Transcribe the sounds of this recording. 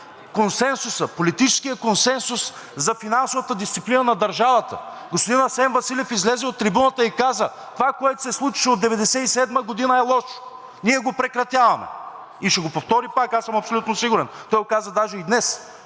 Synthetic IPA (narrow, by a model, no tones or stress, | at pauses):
konsɛnsʊsəpolit̪it͡ʃɛ̥skijəkonsɛnsʊs | zɐfinansovət̪əd̪ist̪siplinənɐd̪ɐɾʒavɐt̪ə̰ɡospod̪inɐsɛnvɐsilʲɛfizlɛzɛot̪ːɾibunət̪əikazə | t̪ovakoɛt̪ʊ̥sɛslˠut͡ʃi̥ʃɛod̪ɛvɛd̪ɛsɛisɛd̪məɡod̪inəɛlˠɔʃʊ̥ | niɛɡopɾɛkɾɐt̪ʲjavɐmɛ̰ | iʃɛɡopoft̪ɔɾipakasəmɐpsolʲut̪nosiɡʊɾɛnt̪ɔjokazəd̪aʒɛid̪nɛs